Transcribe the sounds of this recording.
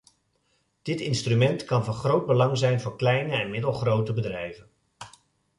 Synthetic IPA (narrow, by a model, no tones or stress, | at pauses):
d̥ɪtɪnstrymɛntkɑnvɑnχrowd̚bəlɑŋzɛjnvʊːɹklɛjnəɛnmɪdəlˠχrowtəbədrɛjvən